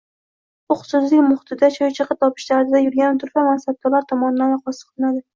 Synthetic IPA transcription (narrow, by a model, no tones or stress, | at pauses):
ʊχʊ̥sʊs̬lɪkʲmʊχɪt̪ʰɪd̪at͡ʃʰɒjt͡ʃʰɨqɨt̪ʰɒpʰɪ̥ʃlaɾɪd̪ajʊɾɡʲanɪt̪ʰʊɾfamansab̚t̪ɒlaɾt̪ʰɒmɒnɪd̪anɑχɒsɨ̥qʰlˠɪnad̪ɪ